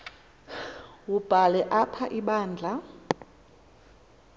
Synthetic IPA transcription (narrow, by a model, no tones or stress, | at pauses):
wub̥ʱalɛʔapʰaʔiɓaːnd͡ɮʱa